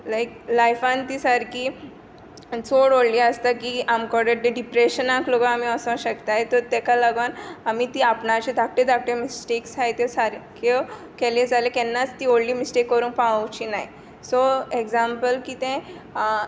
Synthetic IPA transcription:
lajklajfãnt̪isaɾki | t͡soɽoɽliəst̪akiamkɔɽeʈ̚d̪eɖipɾeɕənãkloɡaamiəsə̃ɕəkt̪ajt̪ɔɾt̪ɛkalaɡʋanamit̪iːapnat͡ɕed̪ʱak̚ʈed̪ʱak̚ʈemisʈeksɦajt̪esaɾkʰe | kɛled͡zalekɛnːat͡st̪iːoɽliːmisʈekːəɾũːŋkpãwəʋt͡ɕinai | soeɡzãmpəlkiːt̪ẽ

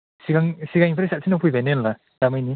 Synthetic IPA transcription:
siɡaŋsiɡaŋiŋpʰɾesat̚sʰinapʰujbanenla | d̥amajni

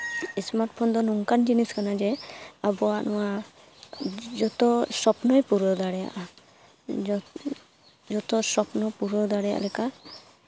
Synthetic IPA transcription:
ɛsmaɾʈ̚pʰɔnd̪ɔnuŋkand͡ʒiniskanad͡ʒɛabɔaʔnɔwa | d͡ʒɔt̪ɔsɔpnɔjpuɾɔd̪aɽɛja̰ʔa | d͡ʒɔt̪ɔsɔpnɔpuɾɔd̪aɽɛja̰ʔlɛka

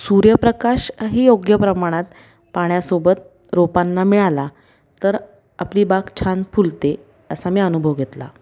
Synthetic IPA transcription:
suɾjəpɾəkaɕɦiːjoɡjəpɾəmaɽ̃at̪ | paɳ̃jasobət̪̚ | ɾopanːamiɭala | t̪əɾ | apliːbakt͡ɕʰanfult̪e | əsamiːənubʱəʋɡʱet̪la̰

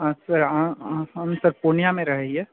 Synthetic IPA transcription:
ɐsɐɾaɦɐmsɐɾpoːnijamẽɾɐɦeɦiɛ

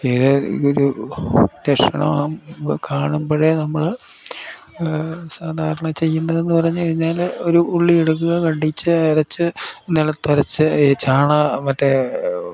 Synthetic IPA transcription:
eðɨ̰oɾu | ɾeʂɐɳɐ̰makaːɳumboːɻenɐmːɐɭ | saːd̪ʱaːɾɐɳɐmt͡ɕe̞jːunːɐðe̞nːɨpɐrɐɲːukɐɻiɲːaːlo̞ɾuːɭːieɽuk̬ːuɣɐkɐɳɖit͡ɕːɨɐɾɐt͡ɕːɨnːilɭːɐt̪ɐɾɐt͡ɕːɨt͡ɕːaːɳɐmɐtːe

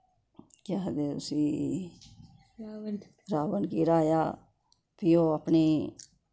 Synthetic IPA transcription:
kaɦd̪eʊsiː | ɾaːʋənkiɾaːjaː | pʰijoːəpniː

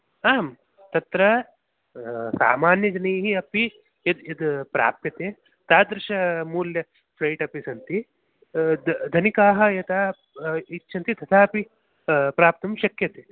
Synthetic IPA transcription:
aːm | t̪ɐt̪ɾɐ | sa̰ːmaːnjɐd͡ʒɐnɐːɦiɐpi | jɐd̪ɐd̪pɾa̰ːp̚p̪jɐt̪eː | t̪aːd̪ɾɪʃɐmuːljɐ | pʰlɐjʈɐpisɐnt̪i | d̪ʱɐnikaːɦɐ̆jɐt̪aː | itːʃʰɐnt̪it̪ʰɐt̪ʰaːɐpi | pɾaːp̚t̪ɐmʃɐkjɐt̪eː

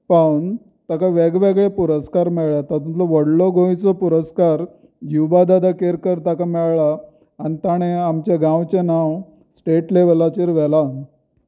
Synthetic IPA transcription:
pan | t̪akaʋeɡʋeɡɭepuɾəskaɾmɛɭɭjat̪at̪umt͡sɔʋəɽlɔɡʱõjt͡sɔpuɾəskaɾ | jiwbad̪ad̪akeɾkəɾt̪akamɛɭɭaː | nit̪aɽ̃eamt͡ɕeɡãwt͡ɕenaw | sʈeʈleʋlat͡ɕiɾʋɛlan

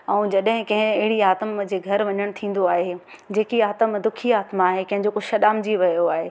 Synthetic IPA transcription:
ɛ̃ːd͡ʑɐɗɦɪ̃kɐ̃ɦɪ̃ɐɦɪɽiaːt̪əmd͡ʑeːɡʱɐɾʋɐɲəɽ̃t̪ʰĩːn̆d̪oaːɦe | d͡ʑeːkiaːt̪əmd̪ʊkʰiaːt̪maːɦekɐ̃ɦɪ̃ɲd͡ʑokʊʃɐɗaːmd͡ʑiʋɐjoaːɦeː

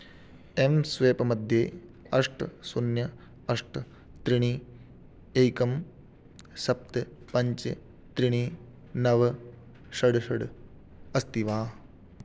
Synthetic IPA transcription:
emsʋeːpɐmɐd̪ʱjeː | ɐʂʈsunjɐ | ɐʂʈɐ | t̪ɾiɳ̃i | eːkɐm | sɐp̚t̪ɨpɐɲt͡ʃɐ | t̪ɾiɳ̃i | nɐʋɐ | ʃɐɖʃɐɽ | ɐst̪iʋaː

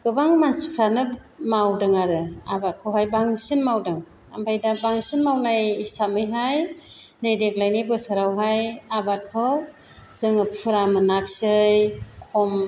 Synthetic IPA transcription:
ɡ̥ɯbaŋmansikʰɾanɯmawdɯŋaɾɯa̰bat̚kʰɯwhajbaŋsinmawdɯŋ | ambajdabaŋsinmawnajsamɯjɦajnajdeklajnɯjbɯsɯɾawɦajabat̚kʰɯw | z̥ɯŋɯpʰɯɾamɯnak̚sɯjkʰɔm

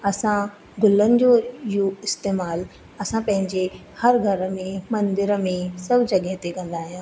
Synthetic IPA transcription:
ɐsã | ɡʊlənɪ̆d͡ʑoɪjoɪst̪eːmaːl | ɐsãpɐ̃ɦɪ̃ɲd͡ʑe | hɐɾɡʱɐɾə̆mẽmɐ̃nd̪ɪɾəmẽsɐbʱd͡ʑɐɠəɦet̪ekɐ̃nd̪aːɦijãː

